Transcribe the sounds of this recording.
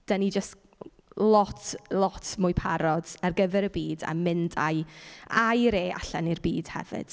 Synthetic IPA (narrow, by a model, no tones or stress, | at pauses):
d̥anid͡ʒəst | lˠɔtʰlˠɔtʰmʊjpʰaɾɔd̥arɡəvɛɾəbiːda̰mɪnda̰jajɾeːa̰ɬanirbiːd̥hɛ̰vɨ̰d̥